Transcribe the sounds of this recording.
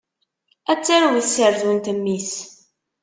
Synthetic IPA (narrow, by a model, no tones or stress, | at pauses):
æt͡sːaɾwiθsəɾðwənt̪əmːis